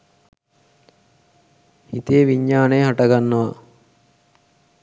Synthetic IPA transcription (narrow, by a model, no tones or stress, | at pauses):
hit̪eːʋiɲːaːnejɦaʈɐɡanːɐʋa